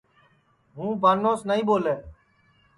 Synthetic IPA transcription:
ɦũːbaːnõːsnəĩːɓoːleː

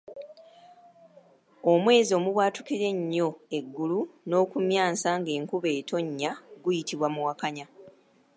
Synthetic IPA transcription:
omwe̞ːzio̞ːmuβwaːtukiɾe̞ɲːo̞e̞ɡːuluno̞ːkumjaːsaŋɡe̞ːŋkuβe̞ːtʰo̞ɲːaɡujitiβwamuwakaɲa

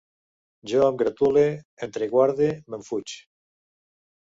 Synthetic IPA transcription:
d͡ʒoamɡɾat̪ule | ent̪ɾeɣwaɾðemeɱfut͡ʃ

